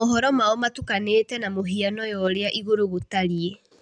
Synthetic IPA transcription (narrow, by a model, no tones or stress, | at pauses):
oɦɔɾɔmaɔmatukaneːtɛnamoɦianɔjɔɾeaʔiɣoɾoɣotaɾie